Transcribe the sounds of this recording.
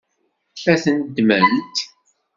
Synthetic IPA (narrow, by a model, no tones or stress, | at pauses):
fæθənd̪mænt̪